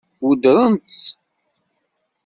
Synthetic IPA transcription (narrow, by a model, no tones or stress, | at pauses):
wud̪ɾˤənt̪ː